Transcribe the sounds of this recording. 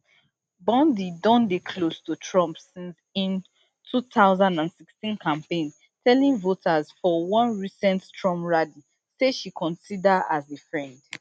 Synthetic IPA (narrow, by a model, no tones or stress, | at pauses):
bɔ̃ndidɔ̃ndekʰlostutʰɹɔ̃mpsĩns | ĩn | tʰuθaʊzãndãnsikstĩnkʰãmpẽn | tʰɛlĩŋvotʰazfɔwɔ̃nɹisɛ̃ntstʰɹɔ̃mɹadi | seʃikʰɔ̃nsidaazefɹɛ̃nd